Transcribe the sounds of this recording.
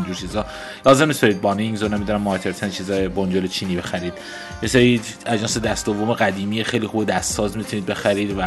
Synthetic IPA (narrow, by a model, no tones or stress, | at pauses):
nd͡ʒuːɾt͡ʃʰiːzɒː | lɒːzemnist̪ɒɾid̪̚bɒːniŋzonæmid̪unæmːɒːc̪ʰeɾt̪ʰænt͡ʃʰiːzɒːjebond͡ʒolet͡ʃʰiːniːbe̞xæɾiːd̪ | jeseɾiː | æd͡ʒɒːnsed̪æst̪d̪ovome̞ɣæd̪iːmiːjexejliːxuːbed̪æst̪sɒːzmit̪ʰuniːd̪be̞xæɾiːd̪væ